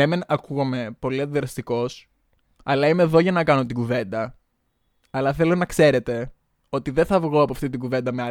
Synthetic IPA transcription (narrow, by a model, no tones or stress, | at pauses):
emenɐkuɣɐme̞po̞liɐt̪ðɾɐst̪iko̞s | ɐlɐimeːðo̞ʝɐnɐkɐno̞t̪iɡuve̞nd̪ɐ | ɐlɐθe̞lo̞nɐkse̞ɾe̞t̪e̞ | o̞t̪iðenθɐvɣo̞ɐpoɐft̪it̪iɡuve̞nd̪ɐmeɐ